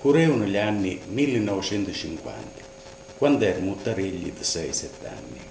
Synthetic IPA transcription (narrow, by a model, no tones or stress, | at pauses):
kuɾɛunoʎanːimilːenːɔvet͡ʃɛnt̪ut͡ʃiŋkwa̰nt̪ḁ | kwand̪ɛɾmut̪ːaɾiʎːḭd̪əsɛjsɛt̪ːa̰nːḭ